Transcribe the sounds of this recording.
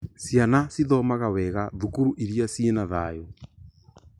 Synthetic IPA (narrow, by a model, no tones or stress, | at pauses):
sianasiðɔmaɣawɛɣaðukuɾuʔiɾiasienaðaːjo